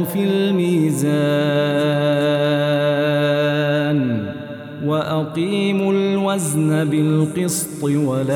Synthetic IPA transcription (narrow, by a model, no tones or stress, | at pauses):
filmiːzaː | n | waʔaqiːmʊlwaznabɪlqɨst̪ˤɨwala